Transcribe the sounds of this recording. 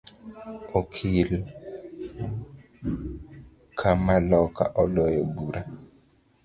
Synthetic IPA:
okʰil | kʰamalɔka̰ʔɔlɔjɔbuɾa

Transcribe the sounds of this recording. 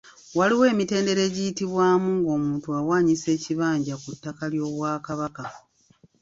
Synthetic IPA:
waliwe̞ːmite̞ːnde̞ɾe̞ːɟijitiβwaːmuːŋɡo̞ːmuːntuawaːɲise̞ːciβaːɲɟakutːakaljo̞ːβwaːkaβaka

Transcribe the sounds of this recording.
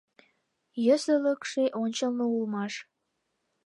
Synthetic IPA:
jəsə̆ləkʃeʔonʲt͡ɕəlnoulmɑʃ

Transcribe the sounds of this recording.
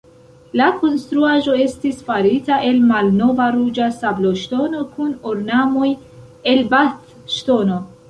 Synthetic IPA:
lakonst̪ɾuaʒo̞e̞st̪isfaɾitaʔe̞lmalno̞vaɾud͡ʒasabloʃto̞no̞kʰunoɾnamo̞j | e̞lbat̪ | ʃtono

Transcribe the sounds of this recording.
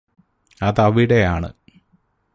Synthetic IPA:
ɐðɐʋiɽejaːɳɨ̰

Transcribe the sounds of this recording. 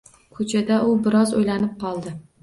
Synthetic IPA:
kʰɵt͡ʃʰad̪aʔʊbɪɾɒzojlanɪp̚qʰɒlˠd̪ɪ

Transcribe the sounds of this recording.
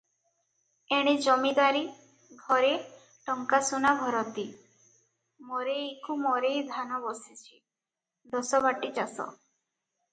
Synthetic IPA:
eɽ̃id͡ʒɔmid̪aɾi | ɡʱɔɾe | ʈɔŋkasunabʱɔɾɔd̪i | mɔɾekumɔɾejd̪ʱanɔbɔsit͡ʃʰi̥ | d̪ɔsɔβaʈit͡ʃasɔ̰

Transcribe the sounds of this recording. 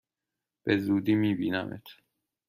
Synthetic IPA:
b̥ezuːd̪iːmiːbiːnæ̰mʔḛt̪ʰ

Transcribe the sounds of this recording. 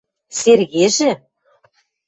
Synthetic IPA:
serɣeʒɘ̆

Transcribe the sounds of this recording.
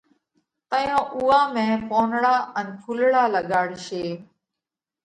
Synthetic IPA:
t̪əjõːʔʊːaːmẽːpoːnɽaːənpʰulɽaːləɠaːɽʃeː

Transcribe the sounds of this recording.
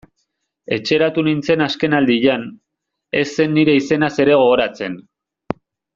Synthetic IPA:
e̞t͡ʃe̞ɾat̪unint͡se̞naske̞nald̪iʎan | e̞sːe̞nːiɾe̞ise̞nase̞ɾe̞ɣ̞o̞ɣoɾat͡se̞n

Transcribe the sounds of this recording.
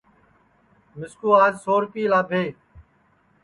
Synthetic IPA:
mɪskuːaːd͡ʒsoːɾpiːlaːbʱeː

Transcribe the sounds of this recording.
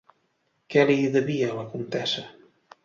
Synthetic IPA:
kɛliðəβiələkunt̪ɛsə

